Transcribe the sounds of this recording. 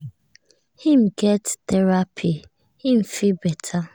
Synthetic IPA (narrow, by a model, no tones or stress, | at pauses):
hĩm̩ɡɛttɛɹapʰi | hĩm̩fibɛtʰa